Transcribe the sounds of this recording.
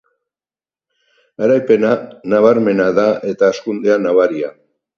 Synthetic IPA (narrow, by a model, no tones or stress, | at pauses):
aɾajpe̞nanaβaɾme̞naðaʔe̞t̪aeskund̪e̞anaβaɾia